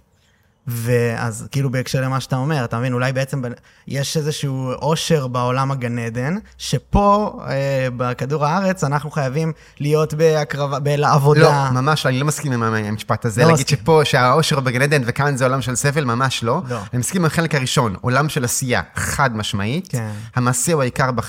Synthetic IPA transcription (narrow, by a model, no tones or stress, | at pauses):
vea̰zkiːlubeːkʃeʁle̞maʃeat̪ao̞me̞ʁatamevinulajbe̞et͡se̞mbe | jeʃezeʃuuʔo̞ʃe̞ʁbaolamaɡaned̪e̞nʃe̞po̞ebakad̪uʁaaʁe̞t͡sanaχnuχajavim | lijo̞tbeakʁavabelaavo̞ldoamamaʃloanilo̞maskimamamaamiʃpat̪azenaɡid̪ʃepo̞ʃeaoʃeʁbeɡaned̪e̞nvekanzeo̞lamʃelseve̞lmamaʃlo̞loanimaskimaχe̞lekhaʁiʃo̞no̞̰lamʃe̞lasija̰χad̪maʃma̰ʔithamaːseuaikaʁba